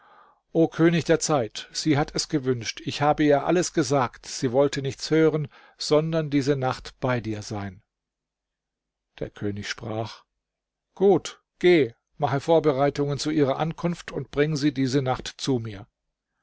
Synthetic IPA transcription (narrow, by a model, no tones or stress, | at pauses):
ʔoːkʰøːnɪçd̥eːɐt͡saɪtz̥iːɦatʰɛsɡ̥əvʏnʃtʰɪçhaːbəiːɐʔa̰ləsɡ̥əzaːktz̥iːvɔltənɪçt͡shøːʁən | z̥ɔndɐndiːzənaχtb̥aɪdiːɐzaɪn | d̥ḛːɐkʰøːnɪçʃpʁ̥aːχ | ɡ̥uːt | ɡ̥eː | maχəfoːɐbəʁaɪtʊŋənt͡suʔiːʁɐʔankʰʊnftʰʊntb̥ʁɪŋəziːdiːzənaχtt͡sumiːɐ